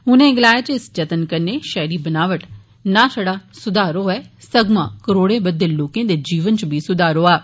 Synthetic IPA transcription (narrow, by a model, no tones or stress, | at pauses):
ɦʊnẽːɡɪlaːjaːt͡ʃɪsd͡ʒət̪ənkəɾneːʃɛːɾiːbənaːʋəʈ | nãːsəɽaːsʊd̪aːɾoːɛːsəɡmã̰ːkəɾoːɽẽːbəd̪ːeːloːkẽːd̪eːd͡ʒiːʋənt͡ʃbʱiːsʊd̪aːɾoːaː